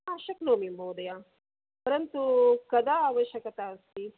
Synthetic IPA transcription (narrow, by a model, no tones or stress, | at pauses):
aʃɐknoːmimbowd̪ɐjaː | pɐɾɐnt̪ukɐd̪aːʋɐʃɐkɐt̪aːst̪i